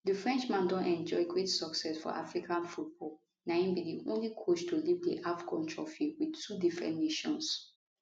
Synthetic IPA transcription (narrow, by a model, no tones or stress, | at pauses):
dəfɹɛ̃nt͡ʃmãndɔ̃ntɛ̃nd͡ʒɔɡɹetsɔksɛsfɔ̰ʔa̰fɹikʰãnfut̚bʰɔ | nãĩnbidiʔõ̰nlikʰot͡ʃtulivdḭʔafkʰɔ̃ntʰɹɔ̰fiwidtʰudifɹɛ̰̃ntneʃɔ̰̃ns